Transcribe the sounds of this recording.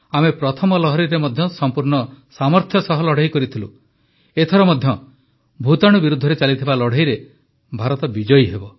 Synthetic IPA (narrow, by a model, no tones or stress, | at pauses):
amepɾɔt̪ʰɔmɔlɔɦɔɾiɾemɔd̪ʱjɔsɔmpuɾɳɔsamɔɾt̪ʰjɔsɔɦɔlɔɽ̤ajkɔɾit̪ʰilṵ | et̪ʰɔɾɔmɔd̪ʱjɔ | bʱut̪aɽ̃ubiɾud̪ʱːɔɾet͡ʃalit̪ʰibalɔɽ̤ajɾe | bʱaɾɔt̪ɔbid͡ʒɔjɦebɔ